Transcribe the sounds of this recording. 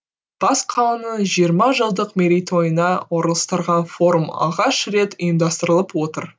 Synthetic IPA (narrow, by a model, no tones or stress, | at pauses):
b̥ɑsqʰɑlˠənəʒijəɾmɑʒəlˠd̪əqmeɾʲijt̪ʰo̞jənɑwo̞ɾəlˠəst̪əɾʁɑnfo̞ɾumɑ̰ʁɑʃɾe̞t̪əjəmd̪ɑst̪əɾəlˠəpwo̞t̪əɾ